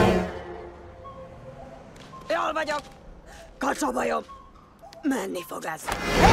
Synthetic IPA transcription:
jolvɒɟok | kɒt͡ʃɒbɒjom | mɛnːifo̞̰ɡɛz̥

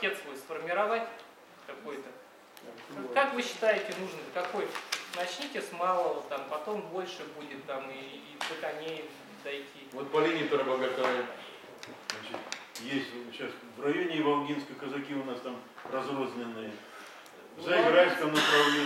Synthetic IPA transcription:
tʲet̪svojsfərmʲɪɾɐvatʲ | kɐkojt̪ə | kakvɨɕːɪ̥t̪ajɪtʲɪnuʐnəkɐkojnɐt͡ɕnʲitʲɪsmɑlˠət̪ːampɐt̪o̞mbo̞lʲʂɨbudʲɪt̪ːamiː | bək̪ɐnʲej | d̪ɐjtʲʰivot̪̚pɐlʲinʲɪɪt̪oɾəblˠɡɐt̪a | znat͡ɕɪt̪jesʲt̪ʲɕasvrɐjonʲɪvɐlˠɡʲinskəkəzɐkʲiʊnast̪amrɐzrozʲnʲɪnːɨjə | zɐɪɡɾalʲskəmnəpɾɐvlʲe

